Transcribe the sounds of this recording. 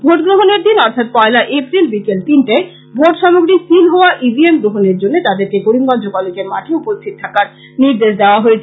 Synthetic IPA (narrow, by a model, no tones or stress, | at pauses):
bʱoʈɡɾoɦoneɾd̪inɔɾt̪ʰat̪̚pɔelaʔepɾilbikelt̪inʈae | bʱoʈʃɔmoɡɾisilɦooaʔibiemɡɾoɦoneɾd͡ʑonːet̪ad̪eɾkeɡoɽimɡɔnd͡ʑokɔlekemaʈʰeupost̪ʰit̪t̪ʰːakaɾ | niɾd̪eʃd̪eoaɦoet͡ɕʰ